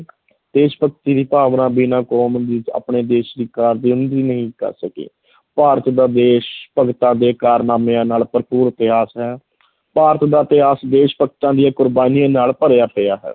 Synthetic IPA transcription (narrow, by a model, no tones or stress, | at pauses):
d̪eːʃpəkt̪iːd̪iːpaːʋnãːbiːnãːkoːmd̪iːa̰ːpɳeːd̪eːʃd̪iːkaːɾd̪iːʊnd̪iːnəɦĩːkə̰ɾsəkḛː | paːɾət̪d̪aːd̪eːʃpəɡt̪ãːd̪eːkaːɾnaːmeːãːnaːlpəɾpuːɾət̪ɪɦaːsɦɛː | paːɾət̪d̪aːt̪ɪɦaːsd̪eːʃpəkt̪ãːd̪ɪjãːkʊɾbaːnijãːnaːlpəɾejaːpɪjaːɦɛ̰ː